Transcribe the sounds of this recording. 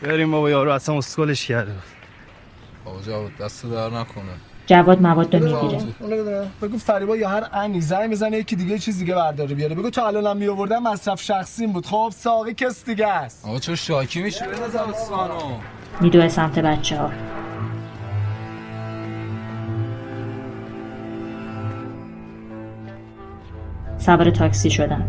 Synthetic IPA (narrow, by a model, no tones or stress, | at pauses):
beɾimːɒbɒjɒːɾuæsænosɡoleʃcʰæɾd̪ebud̪̥ | ɒ̰bɒd͡ʒævɒd̪̚d̪æst̪ebæɾnækʰoned͡ʒævɒːd̪̚mævɒːd̪ːɒmiɡiɾeund̪nbeɡuːfæɾiːbɒːjɒːɦæɾæniːzæjbezænejecʰiːd̪iɟet͡ʃʰiːzd̪iɟebæɾd̪ɒːɾebijɒːɾebe̞ɡuːt̪ʰɔælɒnæmːijovoɾd̪ænmæsɾæfʃæxsiːmbuːd̪χoːbsɒːɣicʰesd̪iɟæst̪ɒ̰t͡ʃʰoʃɒːcʰimiʃæzaɾsɒːno | miːd̪oːesæmt̪ʰebæt͡ʃʰːehɒː | sæbɾet̪ʰɒːksiːʃod̪æn